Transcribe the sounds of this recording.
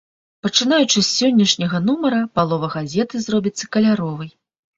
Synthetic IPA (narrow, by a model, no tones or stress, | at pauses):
pɐt͡ʂɨn̪ajut͡ʂɨsʲːɔnʲːɐʂnʲɐɣɐnumɐɾɐpalˠɔvɐɣazʲɛt̪ɨzrɔbʲit̪sːɐkɐlʲaɾɔvɨj